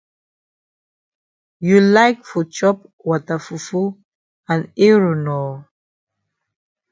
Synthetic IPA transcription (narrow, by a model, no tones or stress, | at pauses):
julaɪk̚fɔt͡ʃɔp | wɔtafufu | ãneɹonɔ